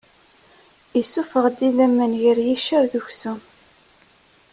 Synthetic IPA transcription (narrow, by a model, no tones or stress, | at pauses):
isːufəʁd̪ːiðæmːənʝəɾjiʃæɾðuçsum